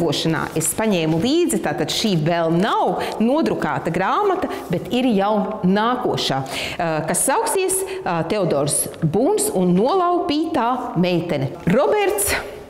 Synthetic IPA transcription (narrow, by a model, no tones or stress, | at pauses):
uɔʃana̰ːʔespaɲɛːmulˠiːd̪zit̪aːt̪ad̪̥ʃiːvɛlˠnawnuɔd̪ɾuka̰ːt̪ɐɡɾaːmat̪ɐbet̪iɾjawnaːkuɔʃaːkasːawksiɛst̪eɔd̪ɔːɾsbuːnsunːuɔlˠawpiːt̪aːmɛjt̪ɛnʲɛɾɔbɛɾt̪s